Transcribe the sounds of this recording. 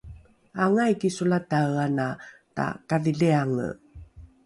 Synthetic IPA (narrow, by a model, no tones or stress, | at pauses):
aŋajkisulatawanata̰kaðiɮeaŋə̰